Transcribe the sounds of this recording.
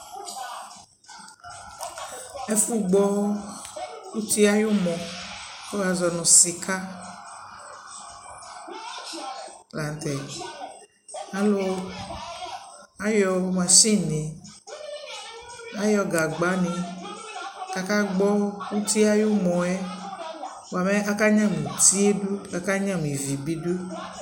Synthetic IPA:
e˦fu˦ɡ͡bɔ˦ | wu˦t̪i˦a˦jo˦mɔ̃˨ko˦wa˨zɔ˨nɔ̃˨si˨kʰa˦ | la˨n˨t̪ɛ˨ | a˦lo˦ | a˦jɔ˨˦mã˨ʃĩ˦nĩ˨ | a˦jɔ˦ɡa˨ɡ͡ba˨˦nĩ˧ | ka˨ka˦ɡ͡bɔ˦wu˦t̪i˦a˦ju˦mɔ̃˨ɛ˦ | wa˨mɛ˦a˦ka˦ɲã˦m˨ĩ˨t̪i˦e˦du˦ka˨ka˦ɲã˦m˨ĩ˨vi˨bi˦du˦

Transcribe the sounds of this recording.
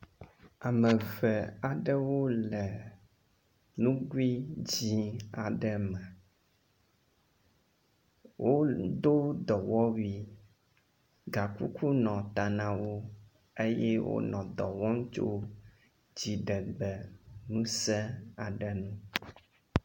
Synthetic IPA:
a˨mə˨vɛ˨a˨ɖə˦wo˦lɛ˨ | nũ˦ɡwi˦d͡ʑi˦a˨ɖə˦mɛ̃˨ | wʔo˦d̪o˦d̪ɔ˨wɔ˦wi˦ | ɡa˨kṵ˦ku˦nɔ̃˨t̪a˨nã˦wo˦ | e˦jɛ˦wo̰˦nɔ̃˨d̪ɔ˨wɔ˦ŋ˦t͡ʃo̰˦ | d͡ʑi˨ɖɛ˨ɡ͡bɛ˨nũ˦sɛ˦a˨ɖə˦˨nũ˦

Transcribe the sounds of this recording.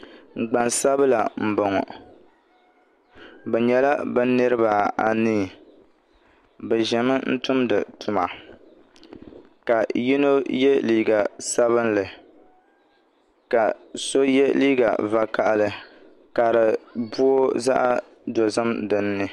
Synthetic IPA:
ŋ͡m̩˨ɡ͡ba˨nsa˦bɨ˦la˨m̩˨bɔ˨ŋɔ̰˨ | bɛ˨ɲɛ˨la˦bɨ˦nɨ˦ɾɨ˦ba˨a˨niː˦˨ | bɛ˨ʒɛ˨mɨ˦n̩˦tʊ˦mdɨ̰˨tʰʊ˨ma˨ | ka˨ji˦no˦jɛ˦liː˦ɡa˨sa˦βɨ˦nlɨ˨ | ka˨so˦jɛ˦liː˦ɡa̰˨va˨ka˨ʔlɨ˨ | ka˨ɾɨ˨bu˦o˦za̰˦ʔa˦ | do˨zɨ˦mdɨ˨nːɨ˨

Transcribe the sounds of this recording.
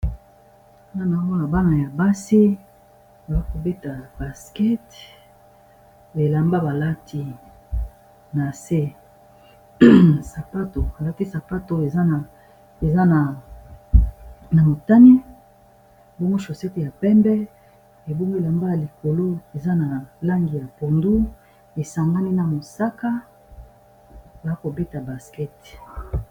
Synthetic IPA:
na˦na˨˦o˦na˨ba˦na˨ja˨ba˦si˦ | ba˨za˦ko˨be˦ta˨ba˨skɛ˦t | be˨la˨mba˦ba˨la˦tʰi˦ | na˨se˦ | sa˨pa˦to˨a˨la˦ti˦sa˨pa˦to˨e˨za˦na˨ | e˨za˦na˨ | na˨mo˨ta˦ni˦ | bo˦ŋɡo˦ʃo˨sɛ˦te˨ja˨pɛ˦mbɛ˦ | e˨bo˦ŋɡo˦e˨la˨mba˦ja˨li˨ko˨lo˦e˨za˦na˨la˦ŋɡi˨ja˨po˨ndu˦ | e˨sa˨ŋɡa˦ni˦na˨mo˨sa˦ka˦ | ba˨a˦ko˨be˦ta˨ba˨skɛ˦t

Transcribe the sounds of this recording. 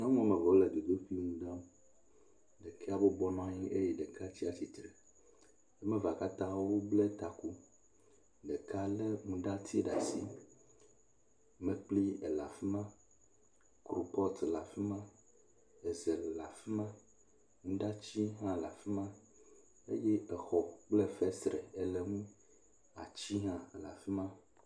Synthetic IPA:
ɲɔ̃˦mũ˦mẽ˨vɔ˨le˨d̪u˨d̪o˦ɸi˦ŋũ˨ɖa˦m˦ | ɖɛ˨kʰɛ˦a˨bo˦bɔ˦nɔ̃˦ɲĩ˦ʔe˦jɛ˨ɖɛ˨ka˦t͡ɕi˦a˨t͡ɕi˨t̪ɾɛ˨ | e˦mẽ˦va˨ka˦t̪ã˦wo˦ble˦t̪a˨ku˦ | ɖe˨ka˦le˦ŋũ˨ɖa˦t̪ʰi˦ɖa˨si˦ | mẽ˨k͡pli˦e˨la˨fi˦mã˦ | kɾo˨pɔ˦t̪la˨fi˦mã˦ | ɛ˨zɛ˨lla˨fi˦mã˦ | ŋũ˦ɖa˦t͡ɕi˦ɦã˦˨la˨fi˦mã˦ | ḛ˦jɛ˦ɛ˨xɔ˨k͡plɛ˦fɛ˦sɾɛ˨e˨lɛ˨ŋũ˦ | a˨t͡ɕi˦ɦã˦˨la̰˨fi˦mã˦

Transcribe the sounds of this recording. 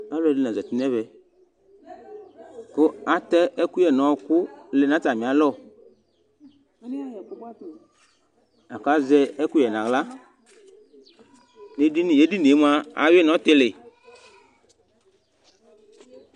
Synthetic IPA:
a˦lɛ˦˨li˦nã˨zɛ˨t̪i˦nɛ̃˦vɛ˨ | ko˦a˨t̪ɛ˦ʔɛ˦ku˦jɛ˨nɔ̃˨˦wkʊ˦le˨nã˨˦ta˨mĩ˨a˨˦lɔ˦˨˦ | a˨ka˦zɛ˦ɛ˦ku˦jɛ˨nã˨ɣla˦ | ne˨di˦n˨je˨˦di˦ne˨˦m˦a˦a̰˨we˦nɔ̃˨˦t̪e˦lɪ˨

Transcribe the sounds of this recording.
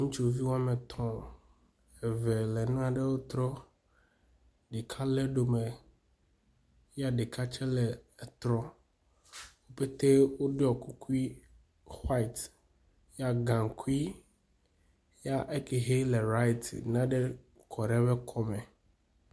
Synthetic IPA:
ŋũ˦t͡ʃu˦˨vi˦wa˦me˨t̪ʰɔ̃˨ | ɛ˨vɛ˨lɛ˨ñ˦ã˨ɖe˦wo˦t̪ɾɔ˦ | ɖe˨kʰa˦le˦ɖo˨me˨˦ | a˦ɖe˨kʰa˦t͡ʃɛ˦lɛ˨ɛ˨t̪ɾɔ˦ | wo˦pe˦t̪e˦wo˦ɖe˦ɔ˨ku˦ku˦i˦ | xwa˦i˨t̪ | ja˦ɡã˨ŋ˨kʰu˦i˦ | ja˦ʔe˦ke˨ɦe˦le˨ɾa˦jt̪ḭ˨nã˦ɖe˦ | kʰɔ˨ɖɛ˦βɛ˦kʰɔ˦mɛ˨

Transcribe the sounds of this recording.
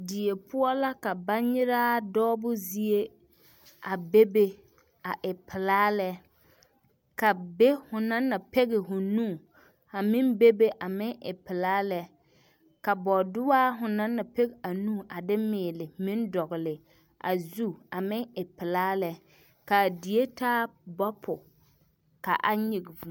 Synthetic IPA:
di˨e˨pʰʊ˦ɔ˦la˦ka˨ba˦nɲɪ˦ɾaː˦dɔː˦bʊ˦zi˦e˦ | a˨be˦be˦ | a˨ʔɪ˨pʰɪ˨laː˦lɛ˦ | ka˨be˦hʊ˨na˦nːa˨pɛ˦ɣɪ˨ɦʊ˨nũː˦˨ | a˨mɪ˦mbe˦be˦ʔa˨mɪ˦ŋʔɪ˨pɪ˨laː˦lɛ˦ | ka˨bɔ˨dʊ˦waː˦ɦʊ˨na˦nːa˨pɛ˦ɡa˨nũː˦˨ʔa˨dɪ˦mɪː˨lɪ˨mɪ̃˦ndɔ˨ɣɪ˨lɪ˨ | ʔa̰˨zu˦a˨mɪ˦ŋɪ˨pɪ˨laː˦lɛ˦ | ka˨di˨e˦taː˦bɔ˦pʰʊ˨ | ka̰˨ʔa˦ɲi˨ɡvu˨

